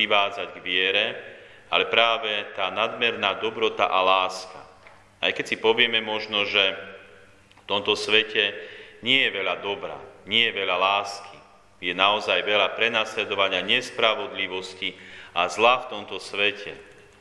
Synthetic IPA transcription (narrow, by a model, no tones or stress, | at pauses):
iʋaːd͡zaɟɡʋɪɛɾɛ | alɛpɾaːʋɛt̪aːnad̪mɛɾnaːd̪ɔbɾɔt̪a̰ʔalaːska̰ | a̰jkɛcsipɔʋɪɛmɛmɔʒnɔʒɛ | ft̪ɔmt̪ɔsʋɛcɛɲɪɛjɛʋɛʎad̪ɔbɾa̰ɲɪɛjɛʋɛʎalaːski | jɛnaɔzajʋɛʎapɾɛnaːslɛd̪ɔʋaɲɪaɲɛspɾaʋɔd̪liʋɔsciazlaft̪ɔmt̪ɔsʋɛcʰɛ̰